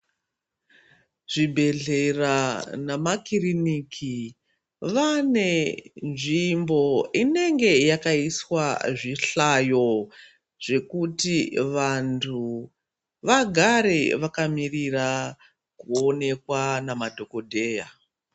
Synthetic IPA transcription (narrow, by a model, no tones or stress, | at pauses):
ʐ̥ibʱe̞ɮe̞ranamakirinikʰi | ʋane̞nʐimbo̞ine̞ŋɡe̞jakaiswaʐiɬajo̞ | ʐ̥e̞kutiʋantʰu | ʋaɡʱaɾe̞ʋakamirira | kuo̞ne̞kwanamadʱo̞ko̞dʱe̞ːja